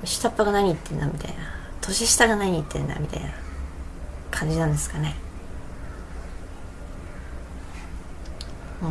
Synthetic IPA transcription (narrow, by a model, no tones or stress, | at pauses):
mʲiɕi̥t̪apːaɡanaɲ̟iːt̪ːe̞nd̪amʲit̪a̰inat̪ʰo̞ɕiɕi̥t̪aɡanaɲ̟iːt̪ːẽ̞̰nd̪a̰mʲit̪a̰ina | kʰãɲ̟d͡ʑinãnd̪e̞sɨ̥kane̞